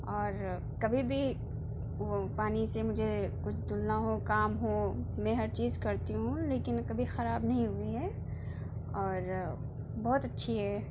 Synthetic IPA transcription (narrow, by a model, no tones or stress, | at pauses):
ɔːɾ | kɐbʱibʱi | paːnisemʊd͡ʒʱekʊt͡ʃʰd̪ʊlnaɦokaːmɦomɛ̃ɦɐɾt͡ʃiːzkɐɾt̪iɦũleːkɪnkɐbʱixɐɾaːbnɐɦĩɦʊiɦɛː | ɔːɾ | bɔːʊt̪ɐtːʃʰiɦɛː